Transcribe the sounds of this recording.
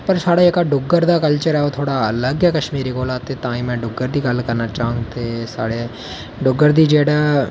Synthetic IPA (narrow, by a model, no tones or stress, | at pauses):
pəɾsaːɽaːekaɖʊɡəɾd̪aːkəlt͡ʃəɾɛːot̪ʰoːɽaːələɡɛkəʃmiːɾikoːlaːt̪eːt̪ãːĩːmɛ̃ːɖʊɡːəɾd̪iːɡəlkəɾnaːt͡ʃaːɦʊ̃ŋɡt̪eːsaːɽe | ɖʊɡːəɾd̪iːd͡ʒeːɽaː